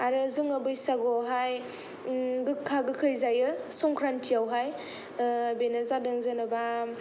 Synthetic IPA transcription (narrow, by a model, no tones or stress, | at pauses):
aɾɯzɯŋabɯjsaɡɔɦaj | ɡɯkʰːaɡɯkʰɯjzajɯsɔŋkʰɾantʰiawɦaj | benazadɯŋzɯnɯba